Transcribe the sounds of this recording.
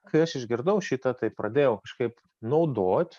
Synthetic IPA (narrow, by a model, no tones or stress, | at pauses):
kɐɪɐʃɪʒɡʲɪɾd̪ɐʊʃʲit̪ɐt̪ɐɪpɾɐd̪ʲeːjɛʊkɐʃkɐɪp | nɐʊd̪oːt̪ʲ